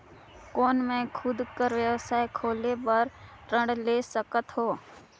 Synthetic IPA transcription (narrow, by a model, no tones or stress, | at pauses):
kɔːnmẽkʰʊd̪kəɾwjəʋsaːekʰoːlebəɾ | ɾə̃ɖleːsəkət̪ɦoː